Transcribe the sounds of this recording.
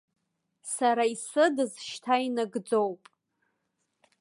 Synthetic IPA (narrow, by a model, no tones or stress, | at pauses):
saɾaisɨdɨzʃtʰainɨɡd͡zowpʼ